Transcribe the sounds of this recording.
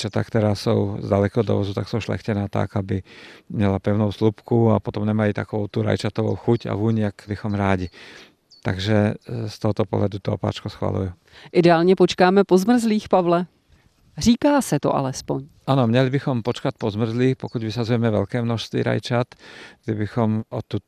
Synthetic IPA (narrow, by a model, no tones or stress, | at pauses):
t͡ʃɔt̪a̰kt̪ɛɾaːsɔʊzdalɛkɛɦɔd̪ɔ̰ʋɔzut̪aksɔʊʃlɛ̰xcɛnaːt̪a̰kabimɲɛlapɛʊnɔʊslupkuapɔt̪ɔmɲɛmalit̪a̰kɔʋɔʊt̪uɾa̰jt͡ʃat̪ɔʋɔ̰ʊxuca̰ʋuɲɪakbixɔmɾaːɟi | t̪aɡʒɛst̪ɔɦɔt̪ɔpɔ̰ɦlad̪ut̪ɔɔ̰pa̰ːt͡ʃkɔsxʋa̰lṵju | ʔɪdɛaːlɲɛpot͡ʃkaːmɛpozmr̩zliːxpavlɛ | r̝iːkaːsɛt̪o̰ʔa̰lɛspoɲ | anɔmɲɛlibixɔmpɔt͡ʃkac̚pɔzmr̩zliːxpɔkuɟʋisazujɛmɛvʋɛ̰ʎkɛːmnɔʃst̪ʋḭːɾa̰jt͡ʃat̪ɡd̪ibixɔmɔt̪ːu